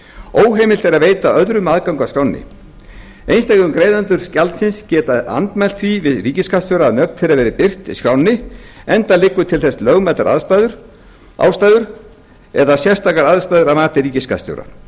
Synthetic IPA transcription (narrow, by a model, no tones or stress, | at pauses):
oːwɦeːjmɪl̥t̪ɛɾaðveːjt̪aœðɾʏmaðkawŋkvakɾawnːɪ̰ | ejnst̪ajkʏmkɾejðant̪ʏɾ̥scalt̪sɪnscɛːt̪aða̰nt̪mɛl̥t̪fvivɪðriːcɪskast̪jowɾaːðnœvt̪θejɾavɛːɾɪpɪr̥t̪ḭskɾawnːɪɛnt̪alɪkvʏt̪ʰɪlθɛslœɣmɛt̪aɾʔa̰ðst̪aðʏɾ | a̰ːwst̪aːjðʏɾ | ɛ̰ðasjɛr̥st̪ʰaːkaɾaðst̪ajðʏɾamaːt̪ɪɾiːcɪska̰st̪jo̰wɾa̰